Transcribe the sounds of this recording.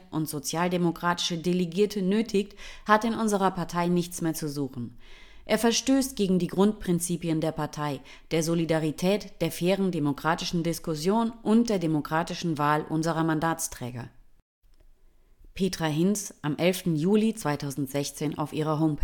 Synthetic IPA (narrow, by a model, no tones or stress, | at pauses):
ʔʊntz̥ot͡sjaːldemokʁ̥aːtɪ̥ʃədeleɡiːɐtʰənøːtʰɪçthatɪnʔʊnzəʁɐpʰaɐtʰaɪnɪçt͡smeːɐt͡suzuːxn̩ʔeːɐfɛɐʃtøːstɡ̥eːɡŋ̩diːɡʁʊnt̚pʁ̥ɪnt͡siːpiəndeːɐpʰaɐtʰaɪ | d̥eːɐzolidaʁitʰɛːtd̥eːɐfeːʁəndemokʁ̥aːtɪʃn̩dɪskʊsjoːnʔʊnt̚d̥eːɐdemokʁ̥aːtɪʃn̩vaːlʔʊnzəʁɐmandaːt͡stʁ̥ɛ̰ːɡɐ̰ | pʰeːtʁ̥aɦɪnsʔamʔɛlftn̩juːlit͡sv̥aɪtʰaʊzn̩tz̥ɛçt͡seːnʔa̰ʊfʔiːʁ̞ɐɦoʊmpʰ